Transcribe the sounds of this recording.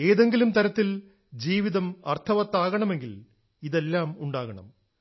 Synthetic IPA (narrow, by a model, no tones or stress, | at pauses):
e̞ːðe̞ŋɡilumt̪ɐɾɐt̪ːil | d͡ʑiːʋiðɐmɐ̰rt̪ʰɐʋɐt̪ːaːɣɐɳɐme̞ŋɡil | iðe̞lːaːmuɳɖaːɣɐɳɐ̰m